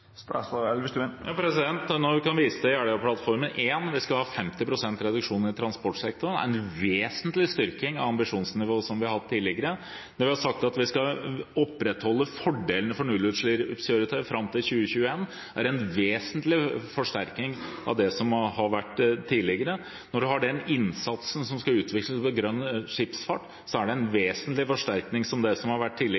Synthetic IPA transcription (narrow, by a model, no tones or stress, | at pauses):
st̪ɛ̰sɑɛlʋɪsʉjɑːpʰɾɛsɪd̪ɛnt̪nɔʋɪkɑnʋiːsəd̪ɛæɖəɑpʰlɑt̪fɔɾmənʔeːnʋɪskɑlhɑːfɛmt̪ɪpʰɾʊsɛnt̪ɾɛd̪ʉkʂuːnəɾɪt̪ʰɾɑnspɔʈsɛk̚t̪ʊɾənæ̰ɾɛnʋeːsənt̪lɪst̪ʏɾkɪŋɑ̰ʋɑmbɪʂuːnsnɪʋoːsɔmʋɪhɑɾhɑt̪ʰːiːlɪɡəɾə | nɔɾʋɪhɑʂɑk̚t̪ɑt̪ʋɪskɑɔpːɾɛt̪hɔlːəfɔɖeːlənəfɔɳʉlʉʂlɪɾsøɾət̪ʰɑfɾɑmt̪ʰɪlɕçʉːəçʉːəeːn | æɾɛnʋeːsənt̪lɪfɔʂʈæɾknɪŋʔɑ̰ʋd̪ɛsɔmhɑɾʋæʈːt̪ʰiːlɪɡəɾə | nɔɖʉhɑɖɛnɪnsɑt̪sən̩sɔmskɑʉːt̪ʋɪkləspɔɡɾœnːʂɪpsfɑʈː | sɔæɖɛɛnʋeːsənt̪lɪfɔʂʈ̪æɾknɪŋsɔmd̪ɛsɔmhɑɾʋæʈːt̪iːlːɪ